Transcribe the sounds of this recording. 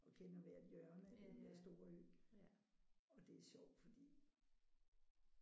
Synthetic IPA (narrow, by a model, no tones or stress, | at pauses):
ɒ̽kʰenɐʋæɐd̥jœɐnəæd̥end̥eɐsd̥o̝ːɐøɡ̥ | ɒ̽d̥e̝æɐɕɒʊ̰d̥fɒ̽d̥ḭː